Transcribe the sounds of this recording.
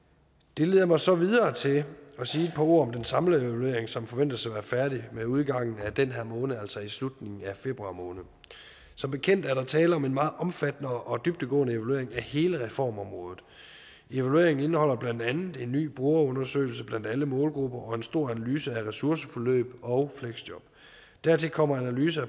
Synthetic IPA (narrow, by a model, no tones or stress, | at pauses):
d̥e̝le̝ːð̞̰ˠɐmɑ̈ɪsɒ̽ʋið̞ˠɐːt͡sʰe̝lɒ̽siːd̥̚pʰɒ̽o̝ɐ̰ɒ̽md̥ensɑ̈mləeʋælue̝̰ɐ̰eŋsɒ̽mfɒ̽ʋen̰d̥ɐsaʋæːɐfæɐdimeuð̞ˠɡ̥ɑ̈ŋ̰n̩æd̥enɦæɐ̰mɔ̽ːnəæl̰sɒ̽islud̥ne̝ŋn̩æfe̝b̥ʁuɑ̈ːmɔ̽ːnð̩ˠ | sɒ̽mb̥e̝kʰen̰d̥æɐɾɑ̈t͡sʰɛːləɒ̽me̝nmɑ̈ːð̩ˠɒ̽mfæd̥nəʔɒ̽d̥yb̥̚d̥əɡ̥ɔ̰̽ːnəe̝ʋælue̝̰ɐ̰eŋæhe̝ːləʁɛfɒ̰ːmɒ̽mʁɔ̽ːð̩ˠ | e̝ʋælue̝̰ɐ̰e̝ŋn̩e̝nəhɒ̽l̰ɐb̥læn̰d̥ænð̩ˠe̝nːy̰ːb̥ʁuɐɔ̽nɐsø̰ːɪl̩səb̥læn̰d̥æləmɔ̽ːlɡ̥ʁub̥ɐʔɒ̽e̝nsd̥o̝ɐ̰ænælyːsəæʁɛsuɐsəfɒ̽lø̰ːb̥ɒ̽ʊfleɡ̥sd̥jɒb̥ | d̥æɐt͡sʰe̝lkʰɒ̽m̰ɐænælyːsə